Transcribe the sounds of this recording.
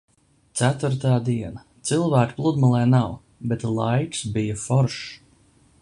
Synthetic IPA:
t̪sæt̪vuɾt̪aːd̪iɛnat̪sɨlˠvæːkplˠud̪malˠɛːnaw | bet̪lˠajksbijafɔɾʃ

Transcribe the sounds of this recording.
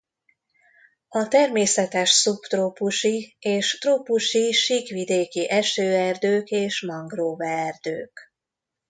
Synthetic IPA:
ɒt̪ɛrmeːsɛt̪ɛʃsupt̪roːpuʃieːʃt̪roːpuʃiʃiːkʋid̪eːkiʔɛʃøːɛrd̪øːkeːʃmɒŋɡroːvɛːrd̪øːk

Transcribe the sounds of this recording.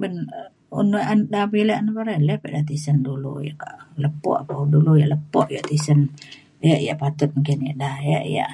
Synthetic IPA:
bən | unuʔandabiləʔanpaɾɛlɛpɛʔdat̪isəndulṵja̰ʔka̰ʔləpɔ̰ʔapaudulujaʔləpɔʔjaʔt̪isən | jaʔja̰ʔpat̪ʊt̪̚muŋkɪnjaʔdahja̰ʔja̰ʔ

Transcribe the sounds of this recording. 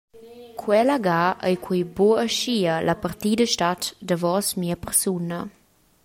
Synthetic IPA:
kʰwɛləɡaʔə̰jkʰwijboəʃiəlapərtidəʃtatdəvɔsmiəpəɾsunə

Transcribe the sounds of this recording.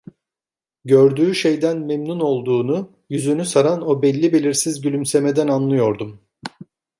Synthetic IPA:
ɟøɾd̪yːʃe̞jd̪ænmemnuno̞lˠd̪uːnu | jyzynysaɾano̞bɛlʲːibe̞lʲiɾsizɟylʲymse̞med̪ænanlˠɯjo̞ɾd̪um

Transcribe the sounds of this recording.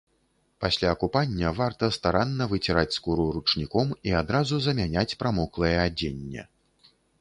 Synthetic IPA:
pasʲlʲaɐkupanʲːɐvart̪ɐst̪aɾanːɐvɨt͡sʲiɾat͡sʲskuɾuɾut͡ʂnʲikɔmiad̪ɾazuzɐmʲanʲat͡sʲpɾamɔklˠɐjɛad͡zʲenʲːɛ̰

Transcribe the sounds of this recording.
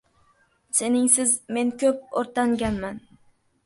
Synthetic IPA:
se̞nɪŋsɪzme̞nkʲʰɵp̚oɾt̪aŋɡʲanman

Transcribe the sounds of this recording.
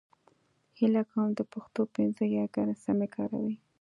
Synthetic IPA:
hilakamd̪əpaxt̪opɪnzəjaɡanasamekʰɑɾa̰wi

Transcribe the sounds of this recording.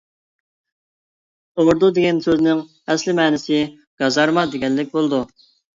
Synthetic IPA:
t̪oɾd̪ud̪eɡʲɛnsøznɪŋ | ɛslɪmɛːnɪsɪ | ɡ̥ɑzɑɾmɑd̪eɡʲɛnlːɪk̚ʲbolˠd̪u

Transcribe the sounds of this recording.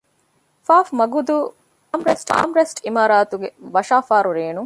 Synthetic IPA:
faːfmɐɡud̪uː | ɐmɾesʈa̰ːmɾesʈimaːɾaːt̪uɡeʋɐʃaːfaːɾuɾeːnu

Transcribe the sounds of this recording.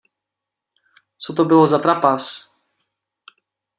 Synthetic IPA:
t̪sɔt̪ɔbɘwɔzat̪ɾapas

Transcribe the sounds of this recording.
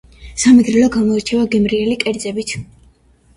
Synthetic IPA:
samɛɡɾɛlɔɡamɔiɾt͡ʃʰɛvaɡɛmɾiɛlikʼɛɾd̪zɛbit̪ʰ

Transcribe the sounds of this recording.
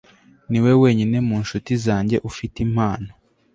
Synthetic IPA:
niwe̞weːɲine̞muːnʃutizaːɲɟe̞ʔufitim̥haːno

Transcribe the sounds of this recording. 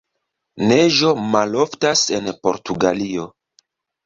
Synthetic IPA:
neʒo̞malo̞ftase̞npo̞ɾtuɡalio̞

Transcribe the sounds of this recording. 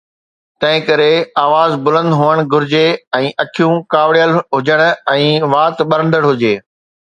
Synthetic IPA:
t̪ɐ̃ɦɪ̃kɐɾeaːʋaːzbʊlə̃nd̪ɦʊʋəɽ̃ɡʊɾɪd͡ʑeɛ̃ːʔɐkʰijũkaːʋɽijəlɦʊd͡ʑəɽ̃̆ɛ̃ːʋaːt̪ɓɐɾə̃nd̪əɽɦʊd͡ʑeː

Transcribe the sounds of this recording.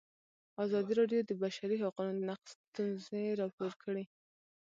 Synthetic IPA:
azɑd̪iɾɑɖjod̪əbaʃaɾiɦaqunod̪ənaqst̪unzeɾɑpoɾkʰəɽe

